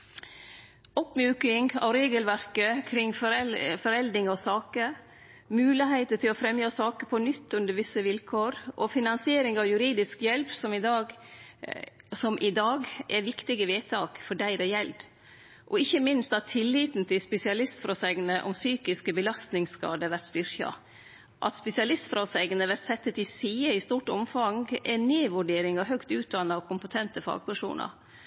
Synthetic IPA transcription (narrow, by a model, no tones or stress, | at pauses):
ɔpmjʉːkɪŋɑ̰ʋɾeːɡəlʋæɾkəkʰɾɪŋːffɔɾɛld̪ɾɪŋɑʋsɑːkə | mʉːlɪɦæɪt̪ət̪ʰɪlɔfɾɛmjɑsɑːkəpʰɔnʏt̪ːʉnd̪əɾʋɪsəʋɪlkʰoːɾʔɔfɪnɑnsɪeːɾɪŋɑʋjʉɾiːd̪ɪskjɛlpsɔmɪd̪ɑːɡ | sɔmʔɪd̪ɑːɡʔɛʋɪkt̪ɪɡəʋeːt̪ʰɑːkfɔɖæɪd̪ɛjɛld̪ | ʔɔɪçːəmɪnst̪ɑt̪ʰːɪlːiːt̪n̩t̪ʰɪlspɛsɪɑlɪst̪fɾɔsɛɡnəʔɔmsyːkɪskəbəlɑst̪nɪŋskɑ̰ːd̪əʋæɾt̪st̪ʏɾçɑ̰ | ʔɑ̰t̪spɛsɪɑlɪst̪fɾɑsɛɡənəʋæɾt̪sɛt̪ːət̪ɪsiːəɪst̪uːʈɔmfɑŋɡɛneːʋʉɖeːɾɪŋɑɦœkt̪ʉːt̪̚d̪ɑnːɑkʰʊmpət̪ʰɛnt̪əfɑ̰ːɡ̚pʰæʂṵːnə̰ɾ